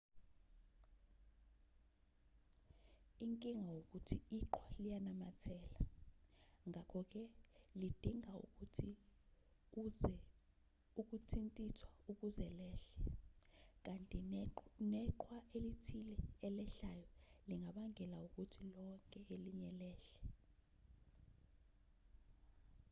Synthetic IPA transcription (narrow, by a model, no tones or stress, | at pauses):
iŋkʼiŋawok̬ʼutʰiiǁʰwalijanamatʰɛːla | ŋʱakʰɔk̬ʼɛlid̥ʱiŋaui | uk̬ʼutʰintʼisʰwauk̬ʼuzɛlɛːɬɛ | k̬ʼantʼinɛǃwaʔelitʰilɛɛlɛɬajɔliŋʱaɓaŋɛlauk̬ʼutʰilɔŋkʼɛeliɲɛlɛːɬɛ̥